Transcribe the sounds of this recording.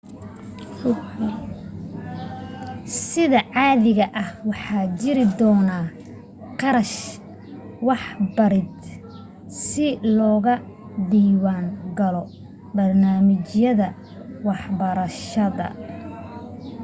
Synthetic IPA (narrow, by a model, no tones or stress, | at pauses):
sɪðɐʕɑːðɪɣɐʔɐhwɑħɑːt͡ʃɪɾɪd̪ɔːna | qɑɾɐʃ | wɑħbɐɾɪd̪ | sɪlɔːɣɐ | d̪iːwaːŋɡɐlɔ | bɐrnaːmɪt͡ʃjɐðɐ | wɑħbɐɾɐʃɐðɐ̰